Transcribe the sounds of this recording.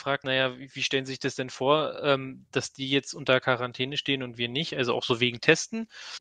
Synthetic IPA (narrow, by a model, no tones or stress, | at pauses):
fʁ̥aːk̚tnajaːvviːʃtɛlənzizɪçd̥asd̥ɛnfoːɐɛːmd̥asd̥iːjɛt͡stʔʊntɐkʰaʁantʰɛːnəʃteːənʊntv̥iːɐnɪçtʔalzoʔa̰ʊxz̥oːveːɡŋ̩tʰɛstn̩